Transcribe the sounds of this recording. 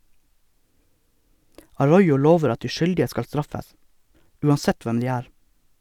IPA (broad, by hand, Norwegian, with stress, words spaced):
ɑˈɹɔʏʊ ˈloːʋəɾ ˈɑt ˈdiː ˈʃʏldɪə ˈskɑl ˈstɾɑfəs ˈʉːɑnˌsɛt ˈʋɛm ˈdiː ˈæːɾ